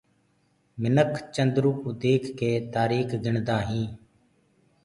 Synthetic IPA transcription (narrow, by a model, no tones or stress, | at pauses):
mɪnəkʰt͡ʃənd̪ɾuːkud̪eːkːeːt̪aːɾiːkɡɪɳd̪aːɦĩː